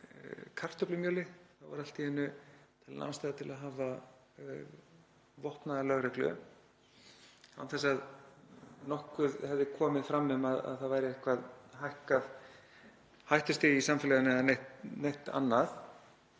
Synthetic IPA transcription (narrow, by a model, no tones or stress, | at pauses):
kʰar̥t̪œplʏmjœːlɪθawva̰ɾal̥t̪ihɛnːʏt̪ʰɪlana̰wnst̪ajðat̪ʰɪlaðɦaːva | vɔht̪naðalœɣɾɛhklʏ̰ | a̰wθɛsːað | nɔhkʏðhɛvðɪkʰɔːmɪðfɾamːʏmaða̰ðθaðvajɾɪehkvaðhajhkað | hajht̪ʏst̪ɪisamfɪlɛɣʏnaanejht̪nejht̪a̰nːaθ